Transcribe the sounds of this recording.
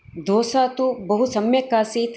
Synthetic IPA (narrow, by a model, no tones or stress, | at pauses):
d̪oːsaːt̪ubɐɦusɐmjɐkaːsiːt̪